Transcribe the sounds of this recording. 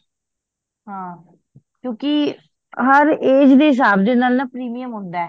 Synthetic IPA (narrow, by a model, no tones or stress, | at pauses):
ɦãː | kjõːkɪ | ɦəɾeːd͡ʒd̪eːɦɪs̬aːbd̪enaːlnaːpɾiːmijəmɦʊnd̪aːɛ